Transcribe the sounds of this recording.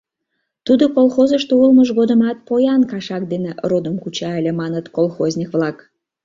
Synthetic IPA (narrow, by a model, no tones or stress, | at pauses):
t̪ud̪okolˠxozəʃt̪oulməʒɣod̪əmɑt̪̚pojɑnkɑʃɑk̚d̪enerod̪əmkut͡ɕɑelʲemɑnət̪kolˠxozʲnʲikβlɑk